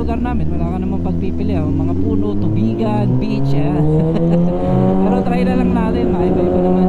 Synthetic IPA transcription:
ʊɡaɾnaːmɪnwɐlaːkɐnɐmaŋpɐɡ̚pipɪlɛoŋmɐŋapuːnot̪ʊbiːɡanbiːt͡ʃa | pɛɾot̪ɾajnɐlaŋnaːt̪ɪnmajmajmɐnɐma

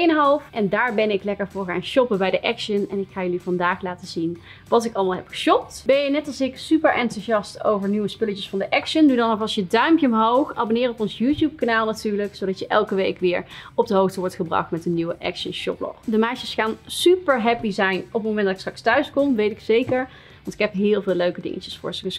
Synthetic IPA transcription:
ejənɦɑlˠfʔɛndaːɹbɛnɪklɛkəɹvʊːɹχaːnʃɔpəbɛjdəʔɛkʃənɛnɪkxaːjəlivɑndaːxlaːtəzin | ʋɑtɪkɑlˠmaːlˠɦɛpxə̥ʃɔp̚tb̥ɛnjənɛtɑlˠsɪksypəɹʔɛntuzɑsto̰wvəɹnyʋəspɵlət͡ʃəsfɑndəʔɛkʃəndudɑnɔvɑsjədœɥmpjəʊmɦowxaːbonɪːrɔpɔnsjuːtjup̚kanaːlˠnatyːɹləksowdɑtjəʔɛ̰lˠkəʋejkʋɪːɹɔb̚dəɦowxtəʋɔɹtχəbrɑ̰xtmɛtənːiʋəʔɛ̰kʃənʃɔ̰b̚lɔ̰xdəmɛjʃəsxaːnsypəɹɦɛpizɛjnɔpətmowmɛndɑtɪkstrɑkstœɥskɔmʋejtɪksejkəɹ | ʋɑntɪ̥kɦɛpɦɪːlˠvɪːløɥkədɪ̰ŋə̰cə̥sfʊ̰ːɹsəs

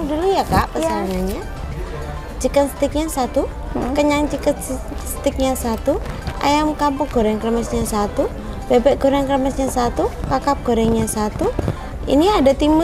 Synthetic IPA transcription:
dəlijakaʔpəsanaɲa | t͡ʃikənsə̥t̪ɪk̚ɲasat̪u | kəɲaŋt͡ʃikət̪ | st̪ɪk̚ɲasat̪u | a̰jamkampɔɡ̥o̤ɾɛŋkrəməsɲasat̪u | b̥ebɛʔɡ̥oɾɛŋkɾəməsɲasat̪ukakap̚ɡ̥o̤ɾɛŋɲasat̪u | ḭniadat̪imə

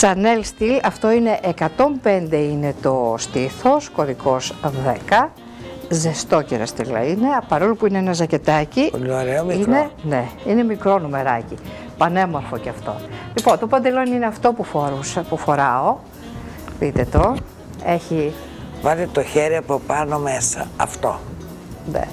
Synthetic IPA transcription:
sɐnelst̪ilɐft̪o̞ine̞ʔekɐt̪o̞mpe̞nd̪e̞ine̞t̪o̞st̪iθo̞sko̞ɾiko̞zðe̞kɐ | zest̪o̞ceɾɐ̰st̪ilɐ̰ine̞pɐɾo̞lupuineenɐzɐce̞t̪ɐciineoɾeomiinene̞ine̞mikɾo̞nume̞ɾɐ̰ci | pɐne̞mo̞ɾfoceɐft̪o̞̰lipo̞nt̪o̞pɐnd̪elo̞nine̞ɐft̪o̞pufoɾuspufo̞ɾɐo̞ | pit̪et̪o | e̞çi | vɐlit̪oçeɾiɐpopɐno̞mesɐ̰ɐ̰ft̪o̰ | nḛ

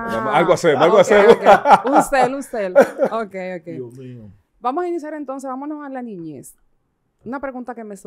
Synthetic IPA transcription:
amalɡoasemoalɣoasemunselunselokejokej | bamosainis̬jaɾent̪o̞ns̬eβamonosalanĩɲes | unapɾe̞ɣunt̪akemes

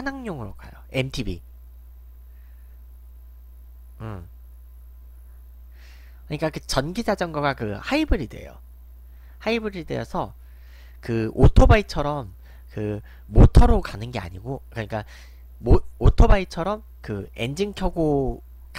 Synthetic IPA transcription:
hanaŋɲoŋɯɾok͈ajoe̞mtʰibi | ɯ | kɯɲik͈akɯt͡ɕʌnɡid͡ʑad͡ʑʌŋɡʌɡakɯhaibɯɾidwe̞̰jo̰ | haibɯɾidwe̞̰jʌsʰʌ | kɯotʰobait͡ɕʰʌɾʌm | kɯː | otʰʌɾokanɯnɡe̞a̰ɲiɡokɯɲik͈a | mootʰobait͡ɕʰʌɾʌm | kɯe̞̰nd͡ʑiŋkʰjʌɡo | k

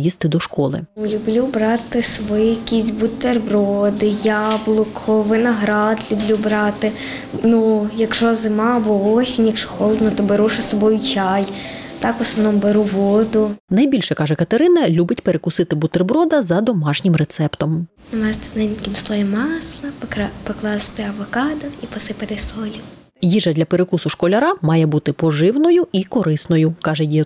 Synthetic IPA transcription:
jist̪ɪd̪ɔʃkɔlˠɪ̰lʲʊblʲubɾɑt̪ɪsʋɔjijɐkʲisʲbʊt̪erbɾɔd̪ɪjɑblˠʊkʰɔʋɪnɐɦɾɑd̪lʲublʲubɾɑt̪ɪ | nujɐkʃɔzɪmɑbɔɔsʲinʲjɐkʃɔxɔlˠd̪nɐt̪ɔbeɾuʃɛsɔbɔjʊt͡ʃʲɑj | t̪ɑkʋɔsˠɔʋnɔmbeɾuʋɔd̪ʊnɐjbʲilʲʃɛkɑʒɛkɐt̪eɾɪnɐlʲubɪtʲpeɾekʊsɪt̪ɪbʊt̪erbɾɔd̪ɐzɐd̪ɔmɑʃnʲɪmret̪sɛpt̪ɔm | nʊmɛst̪ɪ̥nɛkʲɪmslˠɔʋʲimɑsɐpɔklˠɑst̪ɪɐʋɔkɑd̪ʊipɔsɪpɐt̪ɪsɔlʲi | jiʒɐd̪lʲɐpeɾekusʊʃkɔlʲɐɾɑmɑjɛbut̪ɪpɔʒɪwnɔjʊikɔɾɪsnɔjʊkɑʒɛji

